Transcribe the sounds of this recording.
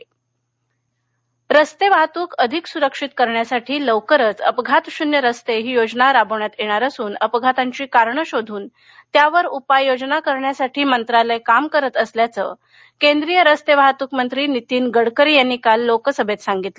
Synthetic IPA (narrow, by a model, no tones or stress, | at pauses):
ɾəst̪eʋaɦt̪uːkʰəd̪ʱiksuɾəkʂit̪kəɾɳjasaʈʰiːləwkəɾət͡səpɡʱat̪ɕunjəɾəst̪eɦiːjod͡znaɾabəʋɳjat̪jeɽ̃aɾəsuːnəpɡʱat̪aɲt͡ɕiːkaɾɳəɕod̪ʱuːn | t̪jaʋəɾupajod͡znakəɾɳjasaʈʰiːmənt̪ɾaləjkamkəɾət̪əsljat͡sə̰ː | kend̪ɾijəɾəst̪eʋaɦt̪uːkmənt̪ɾiːnit̪iːnɡəɽkəɾiːjanːikalːokəsəbʱet̪saŋɡit̪lə